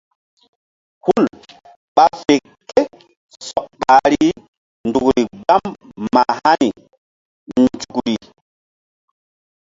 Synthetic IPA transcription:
hu˦l | ɓa˦fe˨ | ke˦ | sɔ˨k̚ɓa˨ɾi˦ | ndu˨kɾi˨ɡ͡ba˦mːa̰˨ha˦ni˨ | nd͡ʒu˨kɾi˨

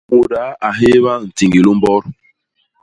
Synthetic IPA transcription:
wo˨da˨˦a˨ɦe˦βa˦˨n̩˨ti˨ŋɡi˨lu˦m˦bɔ˦ɾ

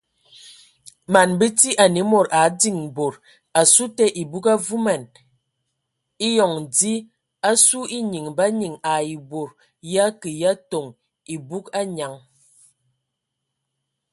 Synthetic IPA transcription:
ma˨nbə˦ti˦ʔa˨ne˨˦mo˨ɾa˨˦di˦˨ŋbo˨ɾ | a˨su˦tɛ˦ʔi˨bu˦ka˦vu˦ma˨n | i˦jɔ˨ŋdi˦ | a˦su˦i˦ɲi˨ŋba˦ɲi˨ŋa˨i˨bo˨ɾ | ja˦kə˨ja˦to˨ŋ | i˨bu˦ka˦ɲa˨ŋ

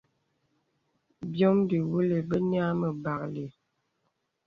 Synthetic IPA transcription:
bjɔ˦mdi˨wu˦le˨bə˦n˦a˦mə˨ba˨kle˨

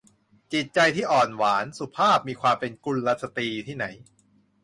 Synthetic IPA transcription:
t͡ɕi˨˩t̪̚t͡ɕa˧jt̪ʰiː˥˩ʔɔː˨˩nwaː˩˦nsu˨˩pʰaː˥˩p̚miː˧kʰwaː˧mpe˧nku˧nɾa˦˥t̪̚sa˧t̪iː˧t̪ʰiː˥˩na˩˦j

